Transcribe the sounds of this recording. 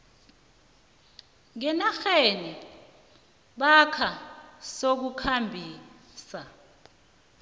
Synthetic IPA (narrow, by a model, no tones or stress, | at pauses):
ŋɛnaxeni | ɓakʰasok̬ukʰambʱiː | sa